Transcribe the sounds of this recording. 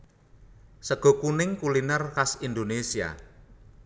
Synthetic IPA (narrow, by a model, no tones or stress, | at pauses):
səɡ̥ɔ̤kunɪŋkulinərkasind̪onesia̰